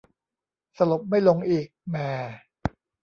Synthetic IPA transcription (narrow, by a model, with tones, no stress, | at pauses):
sa˧lo˨˩p̚ma˥˩jlo˧ŋʔiː˨˩k̚mɛː˨˧˩